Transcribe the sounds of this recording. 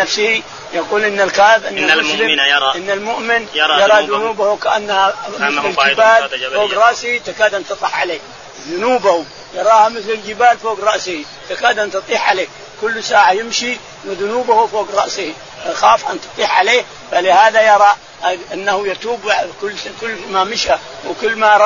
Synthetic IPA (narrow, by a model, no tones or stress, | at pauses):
nafsɪhi | jɑquːlʔɪnːalkaːʔɪbʔɪnːamʊslɪʔɪnːalmʊʔmɪnɾjɑɾˤɑðʊnuːbahukaʔanːahamɪɪɪld͡ʒbaːlfoːɡɾˤɑʔsɪhit̪akaːd̪ʔant̪ɨt̪ˤɑħʕaleːk | ðʊnuːbahu | jɑɾˤɑːhamɪθlɪld͡ʒɪbaːlfoːɡɾˤɑʔsɪhi | t̪akaːd̪ʔant̪ɨt̪ˤiːħʕaleː | kʊlːsaːʕajɪmʃi | wɪðʊnuːbahufoːɡɾˤɑ̰ʔsɪhi | xaːfʔant̪ɨ̥t̪ˤiːħʕaleː | falɪhaːðajɑɾˤɑ | ʔanːahujɪt̪uːbʕkʊlːkʊlːmamɪʃa | wɪkʊlːmaɾˤ